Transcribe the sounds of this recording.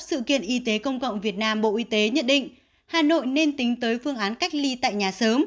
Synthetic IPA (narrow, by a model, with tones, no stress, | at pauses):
sɨ̰˧˨kḭ˧˨ənʔi˨˧t̪e˨˦kə˧wŋ͡mkə̰˧˨wŋ͡mvi˨˩ət̚naː˧mɓo̰˧˨ʔi˨˦t̪e˨˦ɲə˦˥n̚ɗḭ̈˧˨ŋ̟ | haː˨˩no̰˧˨jne˧nt̪ï˨˦ŋ̟t̪əː˨˦jfɨ˧əŋʔaː˨˦nka˦˥k̟̚li˧t̪a̰ː˧˨jɲaː˨˩səː˨˦m